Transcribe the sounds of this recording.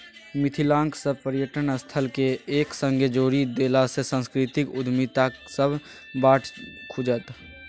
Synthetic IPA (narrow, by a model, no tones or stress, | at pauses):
mɪt̪ʰilãːŋksəbpəɾɪjəʈənəst̪ʰəlkeeːksə̃ŋɡʱed͡ʒoːɾid̪eːlasesə̃ːnskɾɪt̪ɪkʊd̪ʱmit̪asəbʱ | baːʈʰkʰʊd͡ʒət̪